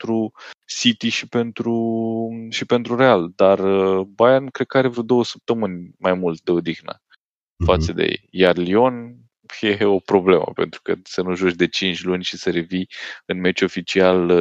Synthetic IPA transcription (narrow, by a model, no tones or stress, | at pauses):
t̪ɾusit̪iʃipe̞nt̪ɾu | ʃipe̞nt̪ɾuɾe̞ald̪arəbajankɾed̪̚kəaɾe̞vɾud̪o̞wəsə̥p̚t̪əmɨnʲmajmult̪̚d̪e̞od̪ixnə̰ | fat̪səd̪ḛjḛjjarlio̞n | jeo̞pɾo̞ble̞mə̰pe̞̰nt̪ɾukəsənuʒuot͡ʃd̪e̞t͡ʃint͡ʃʲlunʲʃisəɾe̞viɨnme̞t͡ʃo̞fit͡ʃial